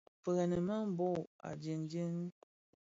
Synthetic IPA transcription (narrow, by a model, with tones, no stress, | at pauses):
pə˨ɣa˨ne˨ma˦m˦bɔ˦˨a̰˨d͡ʒe˨n˦d͡ʒe˦n˦